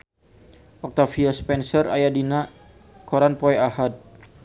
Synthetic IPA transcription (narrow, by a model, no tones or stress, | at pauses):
ʔɔk̚t̪afiaspɛnsəra̰jadina | kɔɾanpɔɛahat̪̚